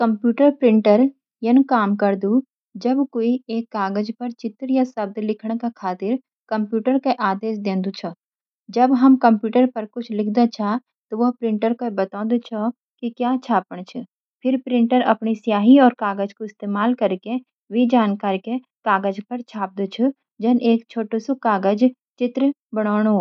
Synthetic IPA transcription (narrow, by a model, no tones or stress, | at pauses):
kɐ̃mpjuːʈəɾpɾɪ̃ɳʈəɾ | jɐnkaːmkɐɾd̪u | d͡ʒɐbkoːieːkːaːɡəd͡ʒpɐɾt͡ʃɪt̪ɾjasɐb̚d̪lɪkʰɽ̃kekʰaːt̪ɪɾ | kɐ̃mpjuːʈəɾkeʔaːd̪eːsd̪ẽːnd̪ut͡ʃʰo | d͡ʒɐbɦɐmkɐ̃mpjuːʈəɾpɐɾkʊt͡ʃʰlɪkʰd̪at͡ʃʰa | t̪oʋɐɦpɾɪ̃ɳʈəɾkobɐt̪ãːnd̪et͡ʃʰo | kikjaːt͡ʃʰaːpəɽ̃t͡ʃʰʊ | pʰɪɾpɾɪ̃ɳʈəɾɐpnisijaːɦiɔːɾkaːɡəd͡ʒkoɪst̪eːmaːlkɐɾke | ʋid͡ʒaːnkaːɾke | kaːɡəd͡ʒpɐɾt͡ʃʰaːp̚d̪ut͡ʃʰu | d͡ʒɐnʔeːkt͡ʃʰoːʈosokaːɡəd͡ʒ | t͡ʃɪt̪ɾ | bɐɽ̃aːɽ̃ː